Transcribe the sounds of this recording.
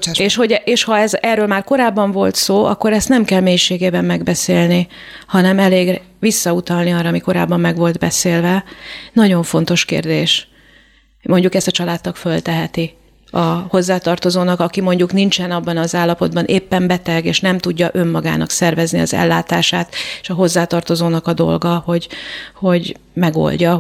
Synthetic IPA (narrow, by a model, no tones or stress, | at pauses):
eːʃho̞ɟeːʃhɒɛzɛrːøːlmaːrko̞ɾaːbːɒɱvo̞lt̪soːɒ̰kːo̞ɾɛst̪nɛmkɛlmeːjiʃeːɡeːbɛmːɛɡbɛseːlni | hɒnɛmɛleːɡ | ʋisːɒut̪ɒlniɒrːɒːmiko̞ɾa̰ːbːɒmːɛɡʋo̞ld̪bɛseːlvɛnɒɟo̞ɱfo̞n̪t̪o̞ʃkḛːrd̪eːʃ | mo̞ɲɟukɛst̪ɒt͡ʃɒlaːt̪ːɒkfølt̪ɛɦɛt̪i | ɒho̞zːaːt̪ɒrt̪o̞zoːnɒkɒkimo̞ɲɟuknint͡ʃɛnɒbːɒnɒzaːlːɒpo̞d̪bɒnʔeːpːɛmbɛt̪ɛɡeːʃnɛmt̪uɟːɒʔø̞mːɒɡa̰ːnɒ̰ksɛrvɛzniɒ̰zɛ̰lːaːt̪aːʃaːt̪e̥ʃɒɦo̞zːaːt̪ɒrt̪o̞zoːnɒkɒd̪o̞̰lɡɒho̞ɟho̞ɟmɛɡo̞̰lɟɒ